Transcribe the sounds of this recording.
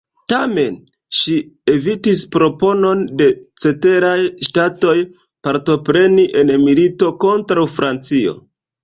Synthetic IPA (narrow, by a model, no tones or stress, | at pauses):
tame̞n | ʃie̞vitispɾo̞po̞no̞nde̞t͡se̞te̞ɾajʃtato̞j | paɾto̞pɾe̞niʔe̞nmilito̞ko̞ntɾawfɾant͡sio̞̰